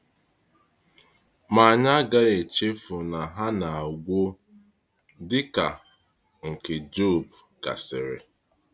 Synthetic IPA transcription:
ma˨ɲa˦ɡa˦e˨t͡ʃe˦fʊ˨na˨ɦa˦na˨a˨ɡʷo˦ | dɪ˦ka˨ | ŋ̩˨ke˨d͡ʒo˦˨bka̰˨sɪ˨ɾɪ̰˨

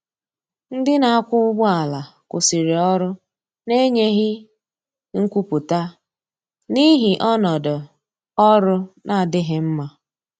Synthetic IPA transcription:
n̩˦dɪ˦na˨a˦kʷʊ˦ʊ˦ɡ͡bʊ˦a˨la˨kʊ˨si˨ɾe˨ɔ˦ɾʊ˦ | ne˦ɲe˦ɦɪ˦ | ŋ̩˦kʷu˦pʊ˨ta˦ | ni˦ɦi˨ʔɔ˦nɔ˨dʊ˨ | ɔ˦ɾʊ˦nʔa˦˨dɪ˦ɦɪ˨m̩˦ma˦

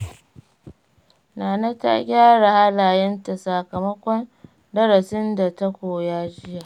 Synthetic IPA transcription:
naː˨na˦ta̰˦ɡʲaː˦ɽa˨ha˦laː˨jɛ˦nta˨sa˨kɐ˨mɐ˦kʷɔ˦n | dɐ˦ɽɐ˨sɪ˦nda˨ta˦kʷoː˨jaː˦d͡ʒɪ˦ja˨ʔ

